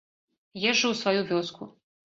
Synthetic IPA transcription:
jɛʐːɐwsvajuvʲɔskʰu

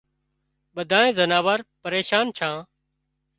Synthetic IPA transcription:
ɓəd̪ʱaːẽːzənaːʋəɾpəɾeːʃaːnt͡ʃʰãː

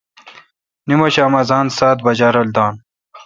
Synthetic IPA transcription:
nimoɕaːmɐzaːnsaːt̪̚bɐd͡ʑaɾɐld̪aːn

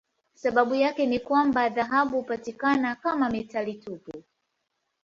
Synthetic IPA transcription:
saɓaɓujakɛnikwambaðaɦaɓupatikanakamamitalitupu

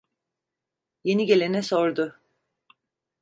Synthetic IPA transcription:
je̞niɟe̞lʲenɛso̞ɾd̪ʊ

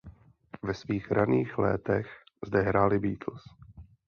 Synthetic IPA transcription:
vɛsviːxɾaniːxlɛ̰ːt̪ɛx | zdɛɦɾaːlɪbiːt̪ʰl̩s

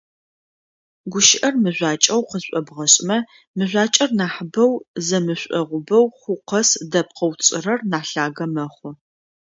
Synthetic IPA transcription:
ɡʷʊʃɪʔɐrmɨʑʷaːt͡ʃʼɐwqəzɕʷʼɔbʁɐɕʼmɐ | mɨʑʷaːt͡ʃʼɐrnaːħbɐwzɐmɨɕʷʼɔ̰ʁʷʊbɐwχʷʊqɐsdɐp̚qəwt͡sʼɪrɐrnaːɬaːɣɐmɐχʷʊ

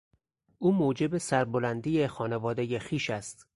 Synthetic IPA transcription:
ʔuːmoːd͡ʒe̞besæɾbolænd̪ijexɒːne̞vɒːd̪e̞jexiːʃæst̪

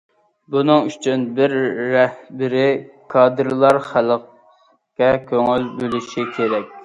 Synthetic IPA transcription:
bunɨŋyt͡ʃʰynbɪɾːɛhbɪɾɪ | kʰɑːd̪ɨɾlˠɑɾχæləq | kʲɛkʲʰøŋylbølyʃʃikʲʰeɾɛk̚ʲ

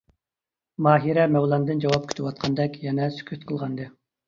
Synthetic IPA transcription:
mɑːɦiɾɛmɛwlˠɑnd̪ɨnd͡ʒɑwɑp̚kʲʰy̥t̪ʰɪwɑt̪̚qʰɑnd̪ɛkʲjɛnɛsy̥kʲʰyt̪qʰəlˠʁɑnd̪ɨ

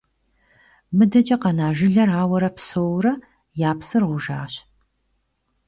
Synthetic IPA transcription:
mɨdɐt͡ʃʼɐqɐnaːʒɨɮɐraːwɐɾɐpsowrɐ | jaːpsɨrʁʷʊʒa̰ːɕ

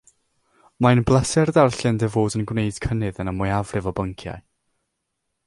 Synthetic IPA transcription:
majnblˠɛsɛrdarɬɛndɛvoːdənɡwnejd̥kʰənɨðənəmʊjavrɨvɔbəŋkʰja̰j

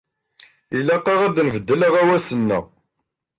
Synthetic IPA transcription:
ilːæqːɑʁæðnvəd̪ːələʁæwæsənːə̰ʁ

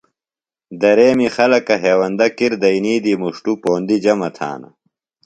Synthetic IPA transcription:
d̪ɐɾeːmixɐlɐkɐɦeːwɐnd̪ɐkiɾd̪ɐiniːd̪iːmuʂʈupoːnd̪id͡ʑɐmɐt̪ʰa̰ːnɐ̰

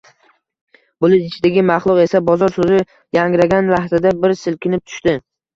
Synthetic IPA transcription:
bʊlɪɪt͡ʃʰɪd̪aɡʲɪmɑχlˠʊqe̞sabɒzɒɾsozɪ | jaŋɡɾaɡʲanlaht̪ʰad̪abɪɾsɪlkʲʰɪnɪp̚t̪ʰʊ̥ʃt̪ɪ

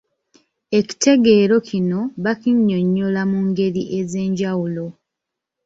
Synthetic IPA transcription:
e̞ci̥te̞ɡe̞ːɾo̞cʰino̞βakiɲːo̞ɲːolamuŋɡe̞ɾiʔe̞ze̞ːɲɟawulo̞

